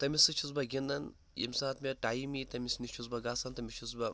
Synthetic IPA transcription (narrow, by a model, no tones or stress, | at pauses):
t̪ɐmʲisɨt͡ʃʰus̬bɐɡʲindɐn | jḭmsaːt̪mʲeʈaːjimit̪ɐmisnit͡ʃʰusbɐɡaːsɐnt̪ɐmʲit͡ʃʰusbɐ